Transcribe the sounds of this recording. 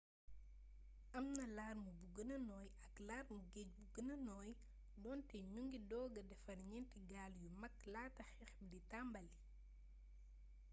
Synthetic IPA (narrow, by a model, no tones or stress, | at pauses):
ʔɐmnɐlaːrmubuɡənɐnɔːjɐklaːrmuɡec̚buɡənɐnɔːj | dɔːntɛɲuŋɡidɔːɡɐdɛfɐnɲɛntiɡaːljumɐkːlaːtɐxɛxɛbditambɐlːi